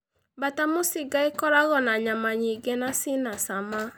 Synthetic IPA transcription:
batamosɪɡaekɔɾaɣɔnaɲamaɲiɡɛnasɪnasama

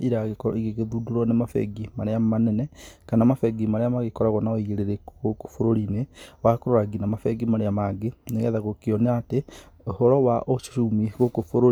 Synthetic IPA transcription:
iɾaɣekɔ̰iɣeɣeðuduɾɔnemafɛ̰ɡimaɾeamanɛnɛkanamafɛɡimaɾeamaɣekɔɾaɣɔnaɔiɣeɾeɾeɣoko̥foɾoɾinewakoɾoɾaɡinamafɛɡimaɾeamaɡeneɣɛðaɣokeɔneate | ohɔɾɔwaʔoʃʃumiɣokofoɾo

